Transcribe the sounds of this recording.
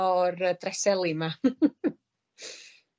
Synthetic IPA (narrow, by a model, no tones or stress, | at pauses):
ɔrədrɛsɛlˠima